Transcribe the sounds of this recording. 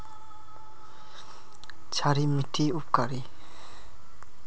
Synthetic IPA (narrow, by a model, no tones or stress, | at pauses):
t͡ʃʰaɾimitʰːiupkaɾi